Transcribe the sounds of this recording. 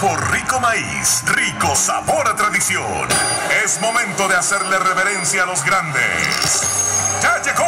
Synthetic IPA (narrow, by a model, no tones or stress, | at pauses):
poɾriko̞maḭsriko̞sa̰βoɾat̪ɾaðisjo̰nesmo̞mẽnt̪o̞ðeaseɾle̞reβeɾensjaːlo̞zɡɾand̪ḛstad͡ʒeko